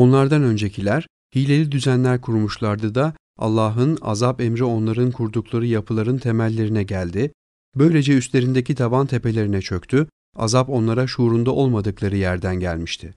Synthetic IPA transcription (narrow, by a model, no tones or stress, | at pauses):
o̞nlˠaɾd̪anø̞nd͡ʒecʰilʲæɾ̥ | hiːlʲe̞lʲid̪yzænlʲæɾkʰuɾmuʃlˠaɾd̪ɯd̪a | a̰lˠːaːɦɯna̰zapemɾio̞nlˠaɾɯnkʰuɾd̪ukʰlˠaɾɯjapʰɯlˠaɾɯnt̪ʰe̞mælʲːe̞ɾinɛɟælʲd̪ɪ | bø̞jlʲe̞d͡ʒɛyst̪lʲe̞ɾind̪e̞cʰit̪ʰavant̪ʰe̞pe̞lʲe̞ɾinɛt͡ʃʰø̞kt̪ʰy | a̰zapo̞nlˠaɾaʃuɾund̪aʔo̞lˠmad̪ɯklˠaɾɯjæɾd̪ænɟælʲmiʃt̪ʰɪ